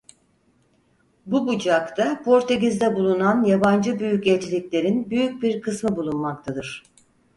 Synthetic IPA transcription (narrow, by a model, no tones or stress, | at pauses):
bubud͡ʒakt̪ʰapʰo̞ɾt̪ʰe̞ɟizd̪ɛbulˠunanjaband͡ʒɯbyjycɛt͡ʃilʲiclʲe̞ɾinbyjyc̚biɾkʰɯsmɯbulˠunmak̚t̪ʰad̪ɯɾ̥